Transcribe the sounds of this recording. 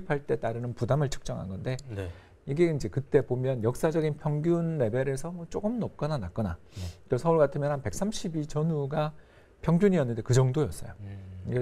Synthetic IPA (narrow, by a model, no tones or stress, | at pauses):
ipʰaɭt͈e̞t͈aɾɯnɯnpudamɯɭt͡ɕʰɯ̥k̚t͡ɕ͈ʌŋɦa̰ŋɡʌnde̞ | iɡe̞ind͡ʑe̞kɯt͈e̞bomjʌnjʌk̚s͈ad͡ʑʌɡinpʰjʌŋɡjunːe̞bjeɾe̞sʰʌmwʌt͡ɕ͈oɡɯmnʌp̚k͈ʌnanak͈ʌna̰ɾosʰʌuɭɡatʰɯmjʌnhanpe̞k̚s͈amɕʰibit͡ɕʌnuɡa | pʰjʌŋɡjuɲiʌnːɯnde̞kɯd͡ʑʌŋdojʌs͈ʌ̰joɡe